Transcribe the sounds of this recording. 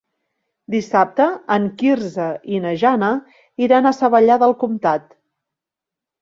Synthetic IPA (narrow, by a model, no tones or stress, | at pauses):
d̪isap̚t̪əəŋkirzəʔinəʒanə | iɾanəsəβəʎaðəlˠkumt̪at̪